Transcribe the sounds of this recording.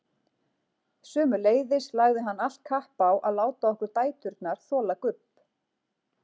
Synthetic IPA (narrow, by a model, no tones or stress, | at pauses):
sʏːmʏleːjðɪslaɣðɪɦanːal̥t̪̚kʰahpawʔaðlaːwt̪aɔhkʏɾ̥t̪aːjt̪ʏɾt̪naɾ̥θɔːlakʏp